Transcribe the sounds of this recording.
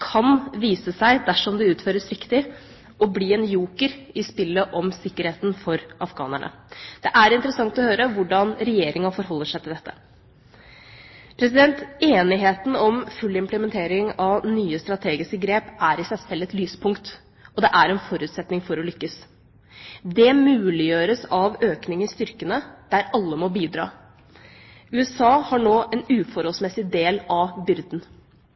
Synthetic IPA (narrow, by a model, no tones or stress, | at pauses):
kʰɑnʋiːsəsæɪd̪æʂɔmd̪ɛʉːt̪føːɾəsɾɪkt̪ɪ | ɔbliːɛnjuːkəɾɪspɪlːəʔɔmsɪkːəɾheːt̪n̩fɔɾʔɑfɡɑ̰ːnə̰ɳʔə̰ | d̪̥ɛʔæɾɪnt̪əɾəsɑŋt̪ɔhøːɾəʋʊɖɑnɾɛjeːɾɪŋɑfɔɾɦɔlːəʂæɪt̪ʰɪld̪ɛt̪ːə̥ | pʰɾɛs̬ɪd̪ɛnt̪eːnɪɦeːt̪n̩ɔmfʉlːɪmpləmɛnt̪ʰeːɾɪŋɑʋnyːəst̪ɾɑt̪ʰeːɡɪskəɡɾeːpʔæɾɪsæsfɛlːɛt̪lyːspʰʊŋkt̪ | ɔd̪ɛʔæɾɛnfɔɾʉːt̪sɛt̪nɪŋfɔɾɔlʏkːəs | d̪ɛmʉːlɪjøːɾəsɑʋøːknɪŋəɪst̪ʏɾkənəd̪̥æɾɑlːəmɔbiːd̪ɾɑ̰ː | ʉːɛsɑːhɑɳoːʔɛnʉːfɔɾhɔlsmɛsɪd̪eːlɑbʏɾd̪n̩